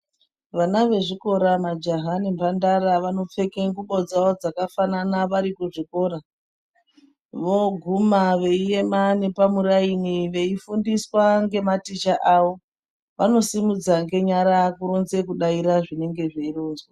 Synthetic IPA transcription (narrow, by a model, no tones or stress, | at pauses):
ʋanaʋe̞ʐiko̞ɾamad͡ʒaɦanimbandaɾaʋano̞p͡fe̞keŋɡuɓod͡zaod͡zakafananaʋaɾikuʐiko̞ːɾa | ʋo̞ɡʱumaʋe̞ije̞mane̞pamuɾainiʋe̞ifundiswaŋɡe̞matit͡ʃaʔaʋo̞ | ʋano̞simud͡zaŋɡe̞ɲaɾakuɾonze̞kuɗaiɾaʐine̞ŋɡe̞ʐeiroːnzwa